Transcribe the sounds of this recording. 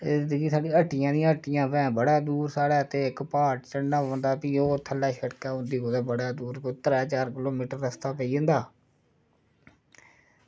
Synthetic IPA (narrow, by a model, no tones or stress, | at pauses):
ɪɪnd̪ɡiːsaːɖĩːəʈːɪjãːd̪ɪijãːəʈːɪjãːpɛ̃ːbəɽaːd̪uːɾsaːɽɛːət̪eːɪkpaːʈt͡ʃəɽnaːõnd̪aːpiːoːt̪ʰəlːaːʃəɽkaːɦʊ̃nd̪iːɦoːd̪eːbəɽaːd̪uːɾkot̪əɾɛːt͡ʃaːɾkɪloːmiːʈəɾːəst̪aːpəiːə̃nd̪aː